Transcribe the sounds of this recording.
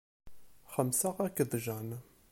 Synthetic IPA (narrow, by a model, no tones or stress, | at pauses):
χəmsaʁækəðˤʒan